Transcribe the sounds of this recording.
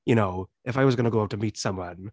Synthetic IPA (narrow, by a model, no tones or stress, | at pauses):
jɨñoʊʔɨfaɪwʌzɡʌnɨɡoʊaʊtʰɨmitsʌ̃mwʌ̃n